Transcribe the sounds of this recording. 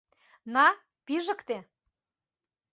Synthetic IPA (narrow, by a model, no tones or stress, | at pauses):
nɑ | piʒə̆kt̪e